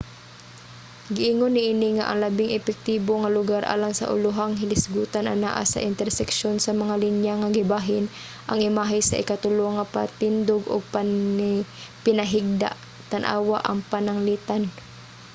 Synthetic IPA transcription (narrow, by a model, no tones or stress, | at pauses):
ɡɪʔiːŋonːɪʔiːnɪŋa̰ʔɐ̰ŋlabɪŋʔɛpɛk̚t̪iːboŋalʊɡaɾʔa̰ːlaŋsa̰ʔʊ̰lʊɦaŋɦɪlɪsɡuːt̪anʔa̰na̰ːʔa̰sa̰ʔɪnt̪ɛɾsɛkʃonsɐmɐŋalinjaŋaɡɪbaɦɪn | ʔɐŋɪmaːɦajsaʔɪkat̪ʊloŋapa̰t̪ɪnd̪oɡʊ̰ɡ̚pa | pɪnaɦɪɡ̚d̪a̰ʔ | t̪anʔa̰ːwaʔɐ̰ŋpanaŋliːt̪an